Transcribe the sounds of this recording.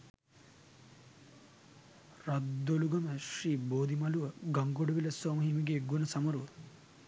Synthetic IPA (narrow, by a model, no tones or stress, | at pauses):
rad̪oluɡɐməʃriːboːd̪imaluʋəɡaŋɡoɖɐʋiləsɔːmɐɦimiɡeːɡunəsamɐɾuʋə